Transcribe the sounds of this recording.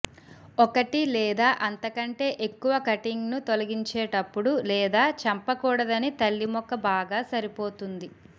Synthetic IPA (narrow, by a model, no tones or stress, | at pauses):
ɔkɐʈilɛːd̪aːʔɐnt̪ɐkɐɳʈe̞ːʔekːuʋɐkɐʈiŋɡnut̪olɐɡiɲt͡ʃɛːʈɐpːuɽulɛːd̪aːt͡ʃɐmpɐkuːɽɐd̪ɐnit̪ɐlːimɔkːɐbaːɡaːsɐɾipo̞ːt̪und̪i